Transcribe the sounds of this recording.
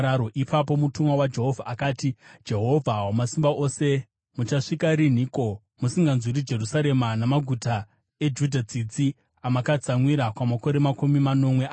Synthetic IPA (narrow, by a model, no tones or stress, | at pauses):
ɾaɾoʔipʰap̬o̞mutumwawad͡ʒe̞ɦo̞vʱaakaːtid͡ʒe̞ɦo̞vʱawamasimbaʔo̞se̞ | mut͡ʃaʂikaɾin̤iko̞ | musiŋɡanzwiɾid͡ʒe̞rusaɾe̞manamaɡʱuta | e̞d͡ʒudʱat͡sid͡zi | amakad͡zamwiɾakwamako̞ɾe̞makumimanomwea